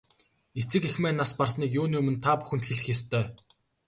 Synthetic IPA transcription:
et͡sɘ̆kixmæːnːasparsniːkjʊːnuːmɘ̆nt̪ʰapu̥xɘ̆nt̪xeɮɘ̆xjast̪ʰœː

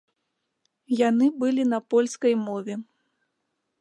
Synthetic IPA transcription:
janɨbɨlʲinɐpɔlʲskɐjmɔvʲɛ

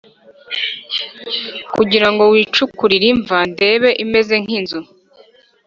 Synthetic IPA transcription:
kuɟiɾaŋɡo̞wiːt͡ʃukuɾiɾiɱvande̞ːβe̞ʔime̞ze̞ŋ̥inzu

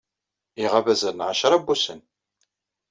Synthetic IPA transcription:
iʁavæzənʕaʃɾˤabːusən

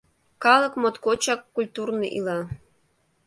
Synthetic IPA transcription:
kɑlˠɤ̆kmot̪kot͡ɕɑkːulʲt̪urnɤʔḭlˠɑ

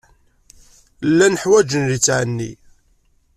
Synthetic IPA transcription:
lːænəħwæd͡ʒənlit͡sːʕənːḭ

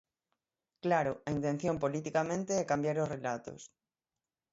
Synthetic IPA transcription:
klaɾoaint̪en̟θjompolit̪ikamẽnt̪eɛkambjaɾosrelat̪o̰s

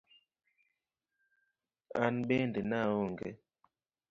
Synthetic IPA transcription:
anɓɛndenawoŋɡɛ̰

